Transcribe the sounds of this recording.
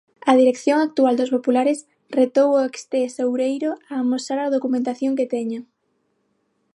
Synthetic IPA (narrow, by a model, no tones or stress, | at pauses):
ɐðiɾekθjoŋak̚t̪uald̪ospopulaɾɪs | ret̪owoekst̪esowɾejɾoaːmosaɾaðokumẽnt̪aθjoŋket̪ɛɲʊ